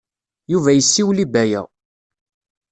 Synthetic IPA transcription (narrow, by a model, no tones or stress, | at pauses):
juvæjəsːiwlibæjæ̰